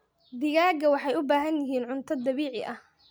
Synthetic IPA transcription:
b̪ɪɣaːɡɐwɑħɑjʊbaːɦɐnjɪɦiːnʕʊnt̪ʰɐd̪ɐβiːʕɪ̰ʔɐh

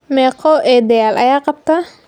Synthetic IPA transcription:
mɛːqʰɔʔɛːd̪ɛjaːlʔɐjaːqɑb̚t̪ʰa

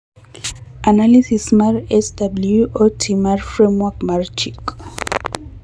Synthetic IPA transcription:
ʔanalisismaɹɛsdabluʔotʰimaɹfɹẽmwakmaɹt͡ʃik

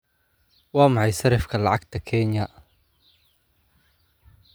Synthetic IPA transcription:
wɑːmɑħɑjsɐɾɪfkʰɐlɑʕɑɡt̪ʰɐkʰɛːnjɐ

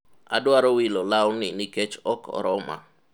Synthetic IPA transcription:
a̰dwaɾɔwilɔlawnɪnɪket͡ʃɔkɔ̰ɾɔma̰

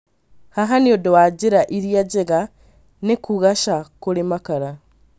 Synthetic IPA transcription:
haɦaniodowaɟiɾaʔiɾjaɟeɣa | nekuɣaʃakulimakaɾa

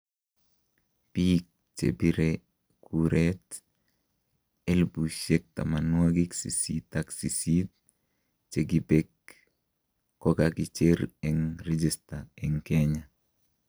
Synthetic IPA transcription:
pik̚ | t͡ʃḛbiɾe | kuɾet | elbuʃek̚ta̰manwaɡiksḭsitaksisit̚ | t͡ʃeɡibek | ɔkakit͡ʃeɾɛŋɾed͡ʒistaɛŋkeɲa

